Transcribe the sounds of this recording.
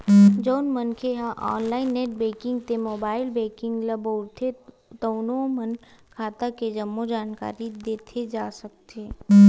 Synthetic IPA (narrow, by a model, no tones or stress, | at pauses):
d͡ʒoːnmənkʰeɦãʔɔ̰ːnlaːɪnːeːʈ̚beːkɪ̃ŋɡt̪emoːbaːɪlbeːkɪ̃ŋɡlɐboːɾt̪ʰe | t̪əʊnomənkʰaːt̪aked͡ʒəmːod͡ʒaːnka̰ːɾid̪eːt̪ʰed͡ʒaːsək̚t̪eː